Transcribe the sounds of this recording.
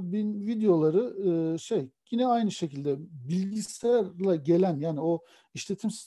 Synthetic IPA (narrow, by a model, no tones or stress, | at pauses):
binvid̪ejo̞lˠaɾɯɯːʃe̞jɟinɛajnɯʃe̞cilʲd̪ɛbilʲɟisæɾlʲɛɟe̞lʲænjaːnio | iʃlʲe̞t̪ʰimsi̥